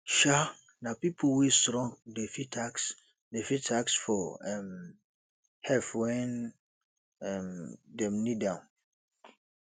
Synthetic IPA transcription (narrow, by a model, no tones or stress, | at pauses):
ʃa | nãpipʰowisɾɔ̃ŋɡdefitʰaks | defitʰaksfɔɛm | hɛfwɛ̃n | ɛmdɛ̃mnidãʊ̃n